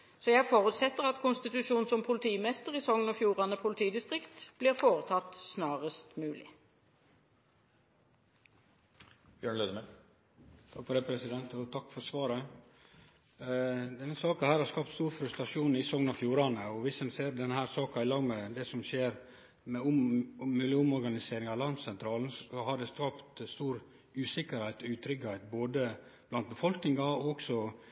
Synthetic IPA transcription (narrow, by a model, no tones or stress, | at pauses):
sɔjæɪfɔʁʉt̪sɛt̪ːəʁɑt̪kʰʊnst̪ɪt̪ʉʃuːn̩sɔmpʰʊlt̪ʰiːmɛst̪əʁɪsɔŋnɔfjuːʁɑnəpʰʊlɪt̪ʰiːd̪ɪst̪ʁɪkt̪b̥liːʁfoːʁət̪ʰɑt̪ːsnɑːʁəst̪mʉːlɪ̰ | b̥jøːɳløːd̪əmɛn | t̪ʰɑkfɔɾɖɛpʰɾɛsɪd̪ɛnt̪ɔt̪ʰɑkːfɔɾsʋɑːɾə | d̪ɛnːəsɑːkɑnhæːɾhɑɾskɑːpt̪st̪uːɾfɾʉst̪ɾɑʂuːnɪsɔŋnɑfjuːɾɑnəɔʋɪsɛnseːɾd̪ɛnəhæːɾsɑːkɑɪlɑːɡmɛd̪ɛsɔmʃeːɾ | mɛʊmmːɪljəʊmɔɾɡɑnɪseːɾɪŋɑlɑnsɛnt̪ʰɾɑːln̩sɔhɑɖɛskɑːpt̪st̪uːɾ | ʉːsɪkəɾhæɪt̪ɔʉːt̪ʰɾʏɡəhæɪt̪̚boːd̪əb̥lɑnt̪̚bəfɔlknɪŋɑɔɔksɔ